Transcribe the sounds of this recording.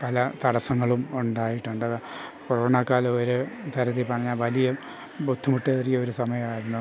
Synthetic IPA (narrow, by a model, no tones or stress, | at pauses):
pɐlɐt̪ɐɽɐsɐŋːɐɭumuɳɖaːjiʈːuɳɖɨɐðɨproɳaːkːaːloɾɨd̪ʱɐɾɐðipɐrɐɲːaːlʋɐlijɐ | bud̪ʱːumuʈːeɐrkio̞ɾusɐmɐjɐmaːjiɾunːu